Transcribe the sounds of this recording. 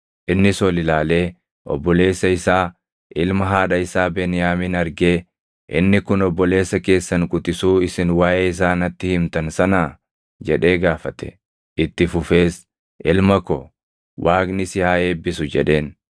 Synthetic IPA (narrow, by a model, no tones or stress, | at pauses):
ʔɪnːɪsɔlɪlaːle̞ː | ʔɔ̰bːɔle̞ːsːɐɪsaː | ʔɪlmɐɦaːᶑɐɪsaːbeːnɪjaːmɪnɐɾɡe̞ː | ʔɪ̰nːɪkʊnɔbːɔle̞ːsːɐke̞ːsːɐnkʼʊt̪ɪsuːɪsɪnwaːʔeːɪs̬aːnɐt̪ːɪhɪmt̪ɐnsɐnaː | d͡ʒɛᶑe̞ːɡaːfɐt̪ɛ̥̰ | ʔɪt̪ːɪfʊfe̞ːs | ʔɪlmɐkɔ | wʔaːknɪsɪhaːe̞ːbːɪsʊd͡ʒɛᶑe̞ːn